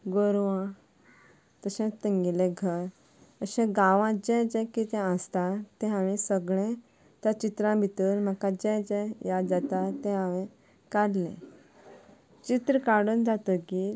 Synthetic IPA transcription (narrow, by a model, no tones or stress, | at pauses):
ɡoɾʋã | t̪əɕɛ̃t̪əŋɡileɡʱəɾ | əɕɛ̃ɡãʋãd͡ʑɛ̃d͡ʑɛ̃kit̪ɛ̃ə̃st̪at̪ɛ̃ɦaʋẽsəɡɭɛ̃ | t̪jat͡ɕit̪ɾãbʱit̪əːɾm̤əkad͡ʑɛ̃d͡ʑɛ̃jad͡zat̪at̪ɛ̃ãʋɛ̃ | kaɽlɛ̰̃ | t͡ɕit̪ɾəkaɽuːnd͡zat̪əkiː